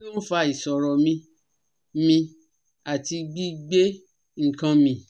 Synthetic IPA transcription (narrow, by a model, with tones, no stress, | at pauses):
n̩˦fa˧i˨sɔ˨ɾɔ˨mĩ˧ | mĩ˧ | a˨ti˧ɡ͡bi˦ɡ͡be˦ | ŋ̩˨kã˧mĩ˧